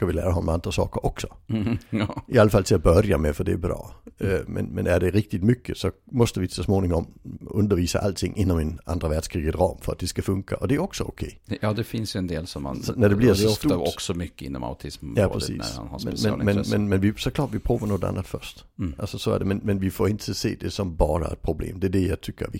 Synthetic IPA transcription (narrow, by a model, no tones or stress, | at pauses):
skavɪlæ̰ːɾahɔnmɛand̪ɾasɑ̰ːkəɾʔɔksɔ̥ | ɪalːafalt̪ʰɪlat̪̚bœɾjamɛfœd̪ɛːbɾɑ̰ːmɛ̰nmɛnæɖɛɾɪk̚t̪ɪt̪mʏkʰːəsɔmɔst̪əvɪsɔsmoːnɪŋɔmɵnd̪əɾviːsa̰ʔalt̪ʰɪŋːʔɪnːɔmɛnʔa̰nd̪ɾavæɖ̥ʂkʰɾiːɡət̪ɾɑ̰ːmfœɾat̪̚d̪ɛskafɵŋkʰa̰ʔɔd̪ɛæɾɔksɔʊ̰kʰɛːjɑːd̪ɛfɪnsjɵɛnd̪eːlsɔmːa̰nɔnæd̪ɛbliʁsɔɔstuɔksɔmʏkːəɪ̰nːɔ̰ma̰ʊt̪ʰɪsmjɑːpʁɛsiːæ̰a̰nhasmɛmɛnmɛnmɛnmɛnʋɪsɔkʰlɑːtʋɪpʰɾuːvanoːd̪a̰nːat̪fœstʔalsɔsɔæ̰ɐdɛmɛnmɛnvɪfoːɪnt̪ʰəsḛːd̪ɛsɔmbɑːɾa̰ɛ̰t̪̚pʰɾʊblḛːmd̪ɛædɛjaɪt̪ʰʏkːə